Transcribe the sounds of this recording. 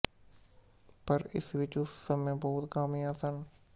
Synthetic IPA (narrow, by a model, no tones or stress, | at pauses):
pɐɾɪ̰sʋɪt͡ʃʊsːɐmẽbɐɦʊt̪kaːmiaːsən